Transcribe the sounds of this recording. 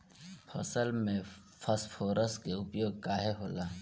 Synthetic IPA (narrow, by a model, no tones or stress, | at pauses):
pʰɐ̰səlmẽ | pʰɐspʰoːɾəskeʊpjoːɡ̚kaːɦeɦoːlaː